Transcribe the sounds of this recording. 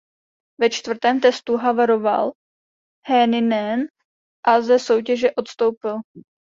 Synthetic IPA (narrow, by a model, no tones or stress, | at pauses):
vɛt͡ʃt̪vr̩t̪ɛːmt̪ɛst̪uɦavaɾo̞va̰l | hɛnɪnɛn | ʔazɛso̞wcɛʒɛʔo̞t̪st̪o̞wpɪl